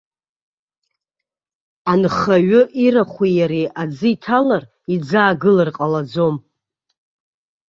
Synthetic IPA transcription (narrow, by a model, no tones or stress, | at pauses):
anχaɥʊʔiɾaχʷijaɾiʔad͡zɨitʰalar | id͡zaːɡɨlarqʼalad͡zo̞m